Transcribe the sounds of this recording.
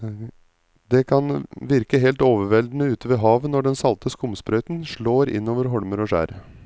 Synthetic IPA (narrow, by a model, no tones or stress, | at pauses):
d̪ɛkʰɑnʋɪɾkəɦɛːlt̪oːʋəɾʋɛld̪n̩əʉːt̪əʋɛɦɑːʋnɔɖɛnsɑlt̪ʰəskʊmspɾœʏt̪nʂɭoːɾɪ̰nːoːʋəɾɦɔɽməɾɔʂæ̰ːɾ